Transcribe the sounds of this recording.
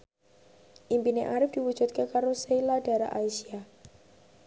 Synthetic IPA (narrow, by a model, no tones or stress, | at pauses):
ʔimpineʔaɾɪfd̥iwu̥d͡ʒ̥ut̪̚kakaɾosejlada̤ɾa̰ʔaisia